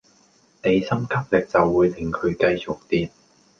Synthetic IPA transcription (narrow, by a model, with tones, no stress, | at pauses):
ne˨˧jsɐ˥mkʰɐ˥p̚lɪ˨k̚t͡sɐ˨wːuː˨˧jt̪ʰɪ˨ŋkʰɵ˨˧ɥkɐ˧jt͡sʊ˨k̚t̪iː˨t̚